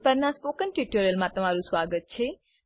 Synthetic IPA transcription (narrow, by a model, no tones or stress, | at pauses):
pəɾnãspoːkənʈiʈəɾəlmãt̪ɐm̤aːɾũsʋaːɡət̪̚t͡ʃʰeː